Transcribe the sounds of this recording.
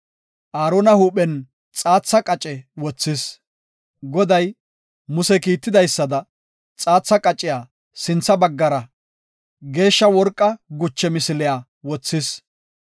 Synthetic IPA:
ʔaːɾonɐhuːpɛn | t͡sʼaːt͡sːɐkʼɐt͡ʃʼɛwɔt͡sːɪs | ɡɔd̪ɐj | mʊsɛkiːt̪ːɪd̪ɐjsːɐd̪ɐ | t͡sʼaːt͡sːɐkʼɐt͡ʃʼːɪjaː | sɪnt͡sːɐbɐɡːɐɾɐ | ɡe̞ːʃːɐwɔɾkʼːɐɡʊt͡ʃːɛmɪsɪlɪjaː | wɔt͡sːɪs

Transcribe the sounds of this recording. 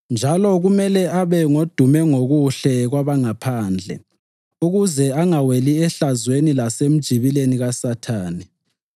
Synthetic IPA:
nd͡ʒʱalɔɣumɛlɛʔaβɛŋod̥ʱumɛŋoɣuɬɛɣwaβaŋapʰaːnd͡ɮʱɛ̰ | uɣuzɛaŋaweliɛɬazwenilasem̩d̥ʒ̥ʱiβileniɣasatʰaːni

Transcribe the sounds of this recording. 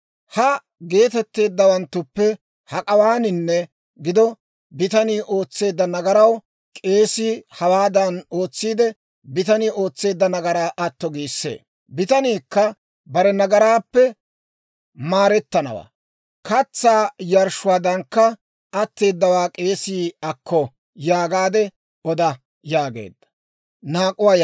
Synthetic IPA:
hɐ | ɡe̞ːt̪ɛt̪ːe̞ːd̪ːɐwɐnt̪ːʊpːɛ | hɐkʼɐwaːnɪnːɛ | ɡɪd̪ɔ | bɪt̪ɐniːʔo̞ːt͡sːe̞ːd̪ːɐnɐɡɐɾɐw | kʼe̞ːsihɐwaːd̪ɐno̞ːt͡sːiːd̪ɛ | bɪt̪ɐniːo̞ːt͡sːe̞ːd̪ːɐnɐɡɐɾaːʔɐt̪ːɔɡiːsːḛː | bɪt̪ɐniːkːɐ | bɐɾɛnɐɡɐɾaːpːɛ | maːɾɛt̪ːɐnɐ̰wa̰ː | kɐt͡sːaːjɐɾʃʊwaːd̪ɐŋkːɐ | ɐt̪ːe̞ːd̪ːɐwaːkʼe̞ːsiːɐkʰːɔ | jaːɡaːd̪ɛ | ɔd̪ɐ | jaːɡe̞̰ːd̪ːɐ̥ | naːkʼʊwaːj

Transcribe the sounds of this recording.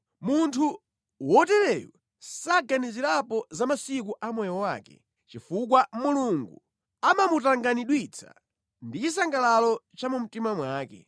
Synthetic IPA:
muntʰu | wɔtɛɾɛjṵ | saɡaniziɾapɔzamasikuʔamɔjɔwa̰ːkɛ̰ | t͡ʃifukwamuluŋɡu | amamutaŋɡaniɗwit͡sʰḁ̰ | ndit͡ʃis̬aŋɡalalɔt͡ʃamum̩timamwaːkɛ̰

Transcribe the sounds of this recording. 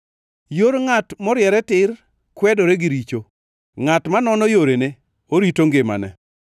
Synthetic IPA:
joɾŋatmɔɾjɛɾɛtɪr | kwɛdoɾeɡiɾit͡ʃo | ŋatmanɔnɔjoɾene | oɾitoŋɡema̰nɛ̰

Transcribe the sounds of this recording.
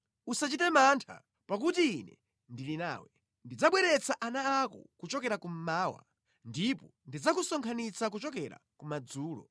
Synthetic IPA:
usat͡ʃitɛmaːntʰa̰ | pak̬utiːnɛ | ndilina̰ːwɛ | ndid͡zaɓwɛɾɛt͡saʔanaːkɔ̰kut͡ʃɔkɛɾakum̩maːwa̰ | ndipɔndid͡zakusɔŋkʰanit͡sak̬ut͡ʃɔkɛɾa̰kumad͡zuːlɔ̰

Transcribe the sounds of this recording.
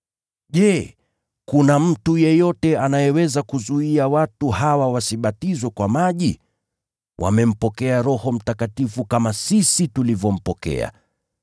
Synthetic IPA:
ʄɛ | kunam̩tujɛjɔtɛanajɛwɛzakuzuiawatuhawawasiɓatizwɛkwamaʄi | wʔa̰mɛm̩pɔkɛaɾɔhɔm̩takatifukamasisitulivjɔm̩pɔkɛ̰a̰

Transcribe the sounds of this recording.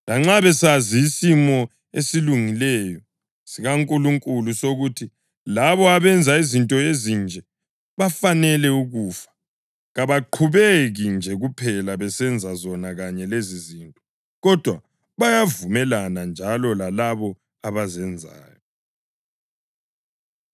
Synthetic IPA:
laŋ͡ǁaβɛsaziːsimɔ | esiluŋilɛjɔ | siɣaŋkʼuluŋkʼulusoɣutʰi | laβɔaβɛnd͡zʱaizintʼɔezind͡ʒʱɛ | βafanɛlɛuɣuːfḁ | ɣaβaǃʰuβeɣind͡ʒʱɛɣupʰɛlaβɛsɛnd͡zʱazɔnaɣaɲɛlezizintʼɔ | ɣɔd̥ʱwa | βajavumɛlanand͡ʒʱalɔlalaβɔ | aβazɛnd͡zʱa̰ːjɔ

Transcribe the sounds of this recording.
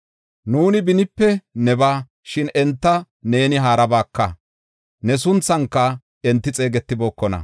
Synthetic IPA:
nuːnɪbɪnɪpːɛnɛbaː | ʃɪnɛnt̪ːɐ | ne̞ːnɪɦaːɾɐbaːkːɐ | nɛs̬ʊnt͡sːɐŋkːɐ | ɛnt̪ːɪt͡sʼe̞ːɡɛt̪ːɪbo̞ːkːɔnɐ̰

